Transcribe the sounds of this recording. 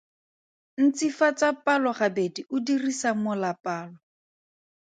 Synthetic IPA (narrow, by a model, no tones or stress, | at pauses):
n̩t͡sifat͡sapalɔχabediʊdirisamʊlapaːlɔ